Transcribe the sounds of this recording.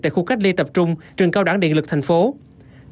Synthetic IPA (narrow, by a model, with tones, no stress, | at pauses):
t̪a̰ː˧˨jxu˧ka˦˥jk̚li˧t̪ə˨˩p̚t͡ɕʊ˧ŋ͡mt͡ɕɨ˨˩əŋkaː˧wɗaː˧˩ŋɗḛ˧˨ŋlɨ˨˩k̚t̪ʰa˨˩ŋ̟fo˨˦